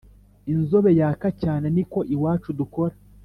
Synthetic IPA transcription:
inzo̞βe̞jaːkacaːne̞niko̞ʔiwaːt͡ʃuduko̞ɾa

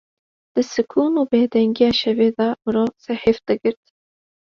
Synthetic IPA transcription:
d̪̥ɨsɨkʰuːnuːbeːd̪ɛŋɡijɑːʃɛveːd̪ɑmɨɾoːsɛheːfd̪ɨɡɨɾt̪

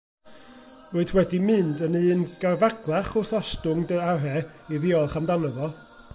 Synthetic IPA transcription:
ruɨdʰwɛdimɨndənɨːnɡ̥arvaɡlˠaχɔθɔstʊŋdəaɾɛ | iðɪɔlˠχamdanɔðɔ

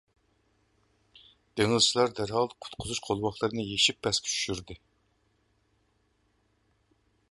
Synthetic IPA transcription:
d̪̥eŋɪlˠt͡ʃʰilˠɑɾd̪æɾhɑlˠd̪ɨqʰʊ̥t̪qʰʊzuʃqʰolˠwɑχlˠɨɾɨnɨjeʃipʰːɛskʲʰt͡ʃʰy̥ʃyɾd̪ɨ

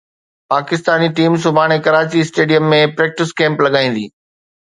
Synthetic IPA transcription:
paːkɪst̪aːniʈiːms̬ʊbʱaːɽ̃ekɐɾaːt͡ɕiɪsʈeːɖijəmːẽpɾɛːk̚ʈɪskɛ̃ːmplɐɠaːĩːn̆d̪ḭː

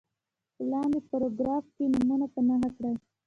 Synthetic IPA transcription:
plɑnd̪epoɾoɡɾɑfkenumunapənaxakɽaj

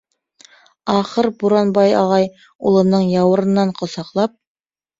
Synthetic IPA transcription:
ɑχɤɾbuɾɑnbɑjɑʁɑj | ṵlˠɤ̆nɤɴjɑwɤ̆ɾɤ̆nːɑɴqŏsɑqlˠɑp̚

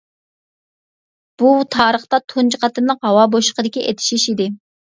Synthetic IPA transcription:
b̥ut̪ʰɑːɾəχt̪ɑt̪ʰont͡ʃʰəqɑt̪ɨɾnlˠəqɦɑwɑboʃqəd̪ɪkʲiʔet̪ʰi̥ʃiʃid̪ɪ

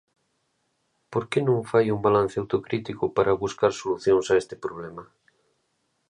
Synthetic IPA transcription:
poɾkenõŋfajuŋbalan̟θeawt̪okɾit̪ikʊpaɾɐβuskaɾsoluθjoŋsaest̪ɪ̥pɾoβ̞lemɐ

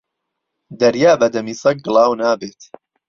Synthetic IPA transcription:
d̪ɐɾjaːbɐd̪ɐmiːsɐk̚ɡɨlˠɑːwnaːbeːt̪

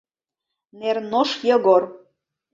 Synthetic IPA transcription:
nernoʃjɤ̆ɣor

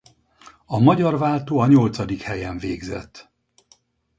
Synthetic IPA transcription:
ɒmɒɟɒrvaːlt̪oːɒɲo̞lt̪sɒd̪ikhɛjɛɱveːɡzɛ̰t̪ː

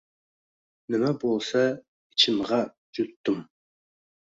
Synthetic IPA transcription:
nɪmæbolˠsɑ | it͡ʃʰɪmʁɑ | d͡ʒut̪ːɨm

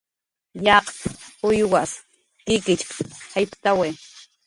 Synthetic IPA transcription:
jɑqʊjwas | kɪkɪt͡ʃkhajpt̪awe

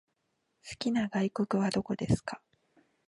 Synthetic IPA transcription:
sɨ̥kʲinaɡaiko̞kɯ̟β̞ad̪o̞ko̞d̪e̞sɨ̥ka

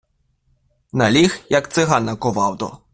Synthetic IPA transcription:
nɐlʲixjɐkt̪sɪɦanɐkɔʋɑwd̪ɔ̰

